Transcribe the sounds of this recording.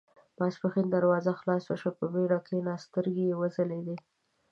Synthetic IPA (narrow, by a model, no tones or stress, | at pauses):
b̥ɑspaxind̪aɾwɑzaxlɑswaʃapəbeɽɑkʰenɑst̪əɾɡejewəzaled̪e